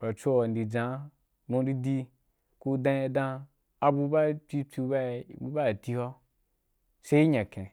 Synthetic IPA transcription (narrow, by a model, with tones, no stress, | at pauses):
ba˨t͡so˦wa˨ndi˨d͡zã˨˦ | mũ˧˦ɾi˦di˦ | ku˧dã˧a˧dã˧ | a˧bu˧ba˦˨˦t͡si˦t͡si˧ba˦˧˨bu˧ba˦˨ti˧ho˦ | se˧˦i˦ɲã˨kẽ˨